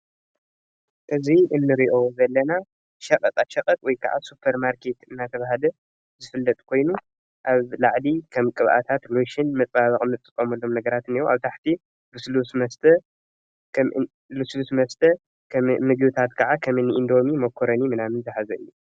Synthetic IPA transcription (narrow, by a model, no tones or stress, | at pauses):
ʔɨziʔɨnːɨɾiʔo̞zɐlːɐna | ʃɐqʼɐt̪ʼaʃɐqʼɐt̪ʼwɔjkʰɐ̰ʕa̰supʰɐɾmaɾkʰe̞t̪ɨnːat̪ʰɐβahalɐ | zɨfɨlːɐt̪ʼkʰo̞jnu | ʔaβlaʕd̪ikʰɐmkʼɨβʔa̰t̪ʰat̪lojʃɪnmɐt͡s̪ʼβaβɐχʼɨmɨt̪ʼːɨkʼːɐmɐlːo̞mnɐɡɐɾat̪ɨnioʔaβt̪ʰaħt̪ʰi | luslusmɐst̪ʰɐ | k | luslusmɐst̪ʰɐ | mɨɡit̪ʰat̪kʰɐʕakʰɐmɨniʔɨnd̪o̞mimɐkʰoɾɐnimɨnamɨnzʰɨħazɐɨ̰jːu